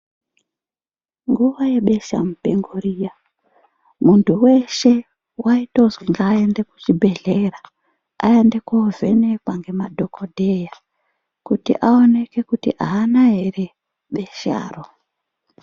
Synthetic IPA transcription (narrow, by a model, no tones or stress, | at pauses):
ŋɡuʋaje̞ɓe̞ʃa̰mupeŋɡoɾija | muntʰuwe̞ʃe̞ | waito̞ziŋɡaːendeku̥t͡ʃibʱe̞ɮeɾa | a̰endekove̞̰nepwaŋɡe̞madʱo̞kʰodʱeja | kutḭʔaone̞ke̞kutḭʔaːnaɦe̞ɾe | ɓe̞ʃa̰ːro